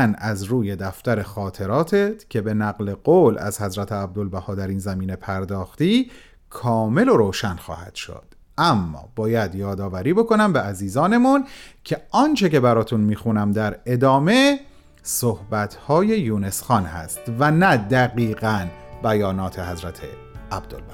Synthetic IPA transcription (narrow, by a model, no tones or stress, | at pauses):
næzɾuːje̞d̪æft̪æɾe̞xɒːt̪ʰe̞ɾɒːt̪ʰet̪cʰe̞be̞næɣle̞ɢoːlæ̰zhæzɾæt̪ʰeæb̚d̪olbæhɒːd̪æɾiːnzæmiːne̞pʰæɾd̪ɒːxt̪iː | kʰɒːme̞lo̞ɾoːʃænxɒ̰ːhæ̰d̪̥ʃo̰d̪̥ | ʔæmːɒ̰ːb̥ɒːjæd̪jɒːd̪ɒːvæɾiːbo̞ko̞næmbeæziːzɒːne̞muncʰe̞ɒːnt͡ʃʰe̞ce̞bæɾɒːt̪ʰunmiːxunæmd̪æɾe̞d̪ɒːme̞ | sohbæt̪ʰhɒːje̞juːne̞sxɒnhæ̰st̪vænæd̪æɣiːɣænbæjɒːnɒːt̪ʰe̞ɦæzɾæt̪ʰḛ | æb̚d̪olbæh